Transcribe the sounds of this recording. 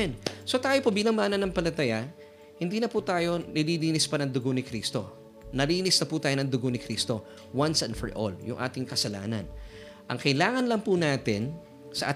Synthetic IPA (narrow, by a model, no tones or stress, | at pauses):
nso̞t̪aːjopobiːlɐŋmaːnɐnɐŋpɐlɐt̪ɐja | hɪnd̪iːnɐput̪aːjo̞nɪliliːnɪspɐnɐŋd̪ʊɡonɪkɾiːst̪o̞̰ | nɐliːnɪsnɐput̪aːjonɐŋd̪ʊɡonɪkɾist̪o̞ | wɐnsɛ̰nfɛ̰ɹʔo̰ljʊ̰ŋʔa̰ːt̪ɪŋkɐsɐla̰ːnɐ̰n | ʔɐ̰ŋkɐjlaːŋɐnlɐŋpunaːt̪ɪn | sɐʔa̰ː